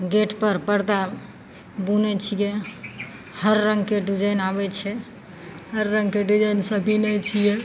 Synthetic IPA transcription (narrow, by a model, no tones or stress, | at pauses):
ɡeʈpəɾpəɽt̪a | bunɛt͡ʃʰije | həɾːəŋɡkeɖud͡ʒajnabɛt͡ʃʰɛ | həɾːə̃ŋɡkeɖud͡ʒəjnsəbʱinɛt͡ʃʰije